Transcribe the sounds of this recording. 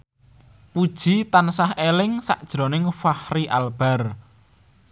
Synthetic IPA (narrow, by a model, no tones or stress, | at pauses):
pud̥ʒ̥i̤t̪ansahelɪŋsa̰ʔd̥ʒ̥ɾo̤nɪŋfahriʔalb̥a̤r